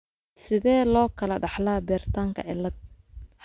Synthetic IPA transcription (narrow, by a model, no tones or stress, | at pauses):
sɪðɛːlɔːkʰɐlɐɖɑħlaːbɛːrt̪ʰaːŋkʰɐ̰ʕɪlːɐd̪̚